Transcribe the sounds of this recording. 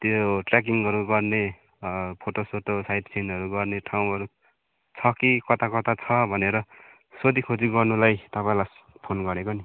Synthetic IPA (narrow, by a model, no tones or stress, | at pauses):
t̪joʈrak̬iŋʌɾuɡʌrne | pʰoʈosoʈosajʈsʰinʌɾuɡʌrneʈʰawɦʌɾu | t͡sʰʌkikʌt̪akʌt̪at͡sʰʌbʱʌneɾʌ | sod̪ikʰod͡ziɡʌrnulajt̪ʌpãĩlas | pʰonɡʌɾekoni